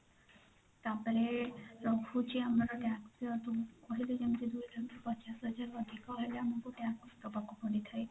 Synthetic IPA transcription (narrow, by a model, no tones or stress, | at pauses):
t̪apɔɾeɾɔɡʱut͡ʃʰiamɔɾɔʈãksɔt̪ukɔɦiled͡ʒemd͡ʒid̪ujdʱankɔpɔt͡ʃasɦɔd͡ʒaɾɔd̪ʱikɔɦɔjleamɔkuʈakst̪ɔpakɔpɔɽit̪ʰaj